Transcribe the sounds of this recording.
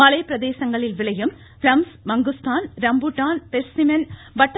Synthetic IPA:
ɐɭɐjprɐd̪eːɕɐŋɡɐɭilʋiɭɐjum | flɐmsmɐŋɡust̪ʰaːnɾɐmbuʈːaːnpeɾsimɐn | bɐʈː

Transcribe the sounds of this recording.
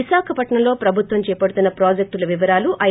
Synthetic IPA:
iʃaːkʰɐpɐʈɳɐlo̞ːpɾɐbʱut̪ʋɐmt͡ʃɛːpɐɽut̪unːɐpɾaːd͡ʒek̚ʈulɐʋiʋɐɾaːluʔɐ

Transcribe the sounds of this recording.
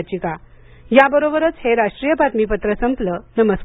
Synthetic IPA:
t͡ɕiːka | jabəɾobəɾət͡sheɾaʂʈɾiːjəpat̪miːpət̪ɾəsəmplənəməs

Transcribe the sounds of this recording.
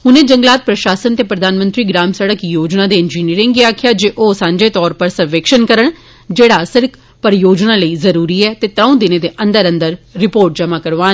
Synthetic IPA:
ɦʊnẽːd͡ʒəŋɡlaːt̪̚pɾəʃaːsənt̪eːpɾəd̪aːnmə̃nt̪ɾiːɡɾaːmsəɽəkjoːd͡ʒnãːd̪eːɪnd͡ʒiːniːɾɪ̃ŋɡiaːkʰjaːd͡ʒeːʔoːsãːɲd͡ʒeːt̪ɔːɾpəɾsəʋeːkʃənkəɾəɳ | d͡ʒeːɽaːsɪɾk | pəɾjoːd͡ʒnãːləiːzəɾuːɾiːɛːt̪eːt̪ɾə̃ũːd̪ɪnẽːd̪eːʔə̃nd̪əɾə̃nd̪əɾːɪpoːɾʈ̚d͡ʒəmaːkəɾʋaːn

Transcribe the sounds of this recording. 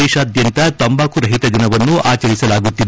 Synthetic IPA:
ɛːʃaːd̪jɐnt̪ɐt̪ɐmbaːkuɾɐɦit̪ɐd͡ʒ̪inɐʋɐnːuʔaːt͡ʃɐɾisɐlaːɡut̪ːid̪

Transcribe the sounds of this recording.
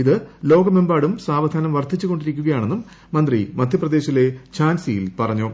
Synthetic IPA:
iðɨlo̞ːɡɐme̞mbaːɽumsaːʋɐd̪ʱaːnɐmʋɐrt̪ʰit͡ɕːuɣo̞ɳɖiɾikʲːuɣɐjaːɳe̞nːumː | ɐnd̪rimɐd̪ʱjɐprɐd̪e̞ːɕile̞t͡ɕʰaːnsijilpɐrɐɲːoː

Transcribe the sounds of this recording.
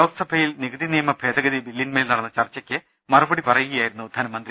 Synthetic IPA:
o̞ːɡɐsɐbʱɐjilniɡɐd̪inijɐmɐbʱe̞ːd̪ɐɡɐd̪ibilːinmeːlnɐɽɐnːɐt͡ɕɐrt͡ɕːɐkʲːɨ | mɐrɐbɐɽipɐrɐjuɣɐjaːjiɾunːud̪ʱɐnɐmɐnd̪ri

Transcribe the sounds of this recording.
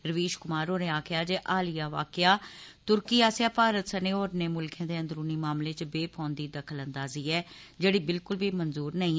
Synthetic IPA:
ɾəʋiːʃkʊmaːɾɦoːnẽːaːkʰɪjaːd͡ʒeːʔaːlɪjaːʋa̰ːkɪjaːt̪ʊɾkiːaːsjaːpaːɾət̪səneːoːɾneːmʊlkʰjãːd̪eːə̃nd̪əɾuːniːmaːmleːt͡ʃbeːpʰɔ̃ːnd̪iːd̪əkʰələnd̪aːziːɛːd͡ʒeːɽiːbɪlkʊlbiːmənzuːɾnəĩː

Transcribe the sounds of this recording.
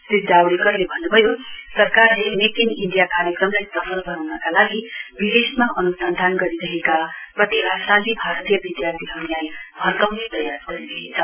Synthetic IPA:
sid̪ʱawɽikʌrlebʱʌnːubʱʌjosʌrkarlemek̪iniɳɖijakaɾjʌkrʌmlajsʌpʰʌlɡʌnawnʌkalaɡibid̪esmaʔʌnusʌnd̪ʱanɡʌɾidʌɦekaprʌt̪iasãd̪ibʱaɾt̪ijʌbid̪jart̪ʰiɦʌlajbʱʌrkʌmnet̪ʌjarɡʌɾidʌɦit͡sʰʌ

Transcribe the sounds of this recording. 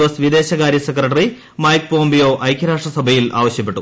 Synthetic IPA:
ʋɐsʋid̪e̞ːɕɐɣaːɾjɐsekrɐʈ̬ːɐri | mɐjk̚po̞ːmbijo̞ːʔɐjkʰjɐɾaːʂʈrɐsɐbʱɐjilʔa̰ːʋɐɕjɐpːe̞ʈːu

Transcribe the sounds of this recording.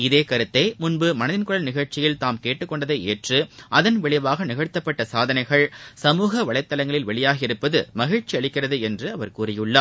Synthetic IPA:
ɪðeːkɐɾɯt̪ːɐɪmʊnbɯmɐnɐðɪnkɯɻɐlnɪɣɐɻt͡ʃɪjɪlt̪aːmkeːʈːɯkːɔɳɖɐðɐɪeːʈrɯʔɐðɐnʋɛɭɪʋaːɣɐnɪɣɐɻt̪ːɐpːɐʈːɐsaːðɐnɐɪɣɐɭsɐmuːɣɐʋɐɭɐɪt̪ːɐlɐŋɡɐɭɪlʋɛɭɪjaːɣɪɾɯpːɐðɯmɐɣɪɻt͡ʃːiɐɭɪkːɪrɐðɯɛndrɯɐʋɐɾkuːrɪjɯɭːaː

